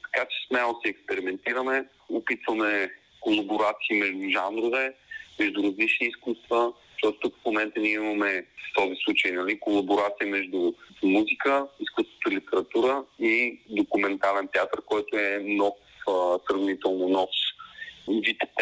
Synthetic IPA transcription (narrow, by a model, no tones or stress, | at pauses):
t̪ɐ̥kat͡ʃɛ̥smɛlˠosiɛkspɛɾimɛnt̪iɾəmɛ | ʊpit̪vɐmɛ | kolˠɐboɾat̪siːmɛʒd̪ʊʒanɾʊvɛmɛʒd̪uɾɐzlit͡ʃniːskust̪və | ʃt̪ɔt̪t̪ukfmomɛnt̪əniɛimɐmɛft̪ɔzislˠut͡ʃəjnɐlikolˠɐboɾat̪sijəmɛʒd̪umuzikəiskust̪vo̥t̪ʊilit̪ɛɾɐt̪uɾəid̪okumɛnt̪alɛnt̪ɛat̪əɾkɔjt̪ʊɛnɔf | sɾɐvnit̪ɛlˠnonɔs | vit̪ɛ̥t̪